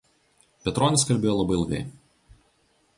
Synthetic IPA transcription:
pʲɛt̪ɾɔːnʲɪskɐlʲbʲeːjoːlˠɐbɐɪlʲˠɡʲɛ̰ɪ

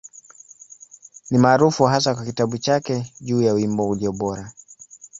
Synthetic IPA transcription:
nimaːɾufuɦasakwakitaɓut͡ʃakɛʄuːjauwimbɔuliɔɓɔɾa

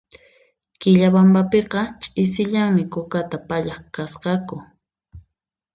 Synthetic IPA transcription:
kɪʎabambapeqɑt͡ʃʼɪs̬ɪʎaŋmɪkʊkat̪apaʎɑχkasqɑkʊ

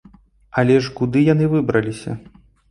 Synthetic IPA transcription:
ɐlʲɛʂkud̪ɨjanɨvɨbɾɐlʲisʲɐ̰

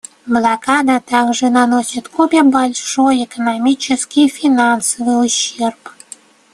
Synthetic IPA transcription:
blˠakad̪at̪aɡʐɨnanosʲit̪kopʲebalʲʂojekənamʲit͡ɕɪskʲijfʲinansəvɨjuɕːerp

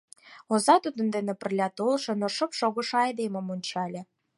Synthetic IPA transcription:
ozɑt̪ud̪ə̆nd̪enĕpə̆rlʲɑt̪olˠʃɤ̆noʃɤ̆pʃoɣɤ̆ʃɤ̆ɑjd̪emə̆monʲt͡ɕɑlʲĕ

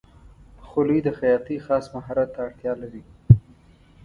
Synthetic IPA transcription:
xʊlid̪əxajɑt̪ixɑsmaɦɑɾat̪ːaːɽt̪jɑlaɾi

